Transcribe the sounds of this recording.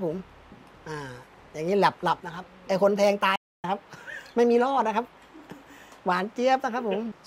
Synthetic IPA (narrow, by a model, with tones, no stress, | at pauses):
pʰːo˨˦m | ʔaː˧˩ | jaː˨˩ŋːiː˦˥˩lɛ˨˩p̚la˨˩p̚na˦˥kʰa˦˥p̚ʔa˧˩jkʰo˧np̪ʰɛː˧ŋt̪aː˧˥ | kʰa˦˥p̚ma˥˩jmiː˧lɔː˥˩t̪̚na˦˥kʰa˦˥p̚ | waː˨˩˦nt͡ɕi˧˥əp̚na˦˥kʰa˦˥pʰːo˨˩˦m